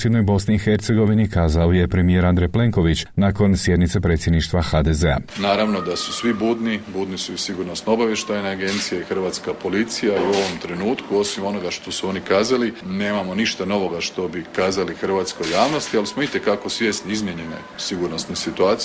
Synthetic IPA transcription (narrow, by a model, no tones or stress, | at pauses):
sjed̪no̞jbo̞sniːxe̞ɾt̪se̞ɡo̞ʋinikaːzaoje̞pɾe̞mije̞ɾand̪ɾejple̞ŋko̞ʋit͡ɕnaːko̞nsje̞d̪nit̪se̞pɾet̪sje̞d̪niʃt̪ʋaxaːd̪ezea̰naːɾaʋno̞d̪asu̥sʋibuːd̪nibuːd̪nisuisiɡuɾno̞st̪noobaʋjeʃt̪ajneaɡe̞nt̪sijexr̩ʋat̪skapolit̪sijaiuo̞ʋo̞mt̪ɾenuːt̪kuo̞simo̞no̞ɡaʃt̪o̞suo̞nikaːzalineːmamo̞niʃt̪ano̞ʋo̞ɡaʃt̪o̞bikaːzalixrʋaːt̪skojaːʋno̞st̪ialismoit̪ekako̞sʋje̞ːst̪niizmjeɲe̞nḛsiɡuɾno̞st̪nesit̪uaːt̪s